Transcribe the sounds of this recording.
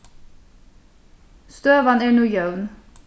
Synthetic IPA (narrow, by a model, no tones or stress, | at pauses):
st̪øːʋɑneːɳuːjœʉn